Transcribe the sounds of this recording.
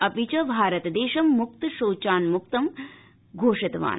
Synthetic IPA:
ɐpit͡ʃɐbʱaːɾɐt̪d̪eːʃɐmːuk̚t̪ʃoːt͡ʃaːnmuk̚t̪ɐm | ɡʱoːʂɐt̪ʋa̰ːn

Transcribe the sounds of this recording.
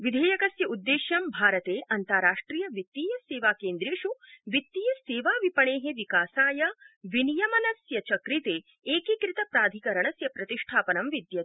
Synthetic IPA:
ʋid̪ʱeːjɐkɐsjɐud̪ːeːʃjɐmbʱaːɾɐt̪eːʔɐnt̪ɐɾaːʂʈɾiːjɐʋit̪ːiːjɐseːʋaːkeːnd̪ɾeːʂuʋit̪ːiːjɐseːʋaːʋipɐɳeːɦeʋikaːsaːjɐʋinijɐmɐnɐsjɐt͡ʃɐkɾit̪eː | eːkikɾit̪ɐpɾaːd̪ʱikɐɾɐɳɐsjɐpɾɐt̪iʂʈʰaːpɐnɐmʋid̪jɐt̪

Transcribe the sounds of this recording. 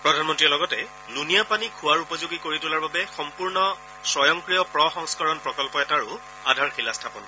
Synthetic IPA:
pɹɔdʱanmɔntɹijɔlɔɡɔtɛ | lunijapanikʰuwaɹupɔzoɡikoɹitʊlaɹbabɛxɔmpuɹnɔ | sɔjɔŋkɹijɔpɹɔxɔŋskɔɹɔnpɹɔkɔlpɔɛtaɹʊ | adʱaɹxilastʰapɔn

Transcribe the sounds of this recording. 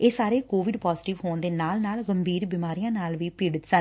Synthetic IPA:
eːsaːɾeːkoːʋɪɖpɔːzʈɪʋɦoːnd̪eːnaːlnaːlɡəmbʱiːɾbimaːɾijãːnaːlʋiːpɪɖət̪sən

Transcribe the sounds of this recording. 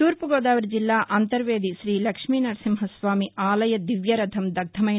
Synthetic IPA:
t̪uːɾpuɡoːd̪aːʋɐɾd͡ʒilːaːʔɐnt̪ɐɾʋeːd̪iʃɾiːlɐkʂmiːnɐɾsimɦɐsʋaːmiaːlɐjɐd̪iʋjɐɾɐd̪ʱʰɐmd̪ɐɡ̚d̪ʰʱɐmɐ

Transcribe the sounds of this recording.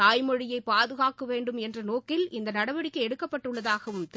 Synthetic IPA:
aːjmɔɻɪjɐɪpːaːðɯɣaːkːɯʋeːɳɖɯmɛndrɐnoːkɪlʔɪnd̪ɐnɐɽɐʋɐɽɪkːɐɪɛɽɯkːɐpːɐʈːɯɭːɐðaːɣɐʋɯmt̪

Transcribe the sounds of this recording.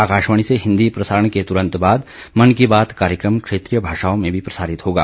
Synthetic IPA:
aːkaːʃʋəɽ̃iseɦɪ̃nd̪ipɾɐsaːɾəɳ̃ket̪ʊɾə̃nt̪baːd̪ | mɐnkibaːt̪kaːɾjəkɾəmkʃeːt̪ɾijəbʱaːʃaːõmẽbʱipɾɐsaːɾɪt̪ɦoːɡa̰ː

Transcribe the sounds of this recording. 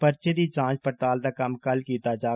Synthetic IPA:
pəɾt͡ʃed̪it͡ʃãːt͡ʃpəʈ̪aːld̪aːkəmkəlkiːt̪ad͡ʒaː

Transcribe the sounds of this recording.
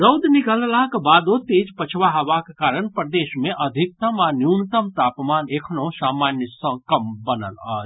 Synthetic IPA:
ɾəwd̪nikəllaɦkebad̪ot̪id͡ʒpət͡ʃʰʋaɦəʋakkaːɾənpɾd̪eʃmeʔəd̪ʱik̚t̪əmanjunt̪əmt̪aːpmanekʰnosamanjəsə̃kəmbənə̰la̰ːd͡ʒ

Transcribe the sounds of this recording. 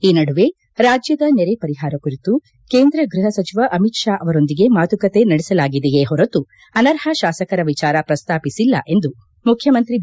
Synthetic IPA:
iːnɐɽuʋe̞ | ɾaːd͡ʒjɐd̪ɐneɾepɐɾiɦaːɾɐkuɾit̪u | keːnd̪ɾɐɡɾuɦɐsɐt͡ʃiʋɐʔɐmiʈʂaːʔɐʋɐɾo̞nd̪iɡe̞maːt̪ukɐt̪e̞nɐɽɛsɐlaːɡid̪ejeɦɔɾɐt̪u | ɐnɐɾhɐʃaːsɐkɐɾɐʋit͡ʃaːɾɐpɾɐst̪aːpisilːɐ̰ʔe̞nd̪u | mukʰjɐmɐnt̪ɾi

